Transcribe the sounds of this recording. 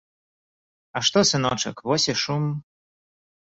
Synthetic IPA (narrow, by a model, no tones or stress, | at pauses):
ɐʂt̪ɔsɨnɔt͡ʂɐkvɔsʲɛʂum